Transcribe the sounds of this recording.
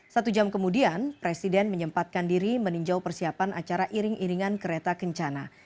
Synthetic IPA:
sat̪ud͡ʒamkəmudianpɾesidɛnməɲəmpat̪̚kandiɾiməniɲd͡ʒawpərsiapanʔat͡ʃaɾaʔiɾɪŋʔiɾiŋankəɾet̪akəɲt͡ʃana

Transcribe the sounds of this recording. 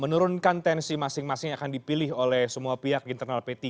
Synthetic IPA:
mənuɾʊnkant̪ɛnsimasɪŋmasɪŋakandipilɪɦolɛhsəmuapiɦak̚diːnt̪ərnalpet̪i

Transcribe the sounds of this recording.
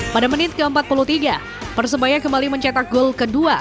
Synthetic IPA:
padamənɪkəəmpat̪̚puluht̪iɡa | pərs̬əbajakəmbaliməɲt͡ʃat̪ak̚ɡʊlkədua

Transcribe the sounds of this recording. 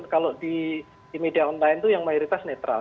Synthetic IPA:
kaloʔdi | d̥imediaɔnlaɪnt̪ujaŋmajuɾit̪asnet̪ɾa̰l

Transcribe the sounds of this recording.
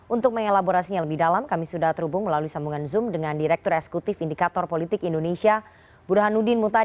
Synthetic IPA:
unt̪ʊk̚məŋelaboɾasiɲaləbɪhdalamkamisudaht̪əɾhubʊŋməlaluisambuŋanzʊmdəŋandiɾɛk̚t̪ɔɾɛksə̥kut̪ɪfindikat̪ɔrpolit̪ɪkindonesia | b̥uɾɦanudɪnmut̪a

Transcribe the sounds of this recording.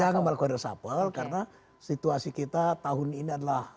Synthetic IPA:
aŋamalakuadasa̰pəlkarna | sit̪uasikit̪at̪aɦʊniniadalah

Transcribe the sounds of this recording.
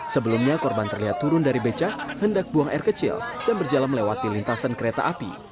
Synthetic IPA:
səbəlumɲakɔrbant̪ərliɦat̪ːuɾʊndaɾibet͡ʃakhəndak̚buaŋɛrkət͡ʃɪ̰ld̥anbərd͡ʒalaməlewat̪ilint̪asankəɾet̪a̰ʔapḭ

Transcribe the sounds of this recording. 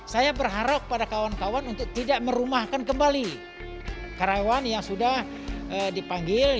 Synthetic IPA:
sajabərɦaɾak̚padakawankawanunt̪ʊk̚t̪idaʔməɾumahkankəmbali | kaɾawanjaŋsudah | ədipaŋɡɪl

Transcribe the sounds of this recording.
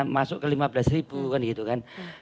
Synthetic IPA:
masʊʔkəlimablasribukanɡit̪ukan

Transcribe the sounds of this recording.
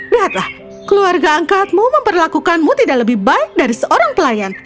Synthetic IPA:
liɦat̪lah | kəluarɡaːŋkat̪̚muməmpərlakukanmut̪idaʔləbɪhbaɪk̚daɾisəʔoɾaŋpəlajan

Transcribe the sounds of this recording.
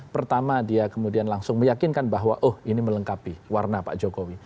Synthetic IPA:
pərt̪amadiakəmudianlaŋsʊŋməjakɪnkanbaɦwaʔʊhinimələŋkapiwarnapa̰ʔd͡ʒokowi

